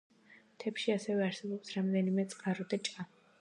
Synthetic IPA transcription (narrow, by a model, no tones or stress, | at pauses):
t̪ʰɛpʃiasɛvɛaɾsɛbɔpsɾamd̪ɛnimɛt̪sʼqʼaɾɔd̪at͡ʃʼa